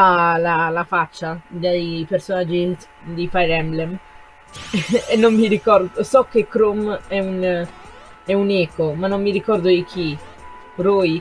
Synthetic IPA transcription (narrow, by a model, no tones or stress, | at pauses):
alalafat͡ʃːad̪ajpeɾsonad͡ʒint̪ | d̪ifajɾɛmblɛm | enːomːiɾikɔɾd̪osɔkːekːɾomɛun | ɛunɛːkomanːomːiɾikɔrd̪oik̟ʰi | ɾoj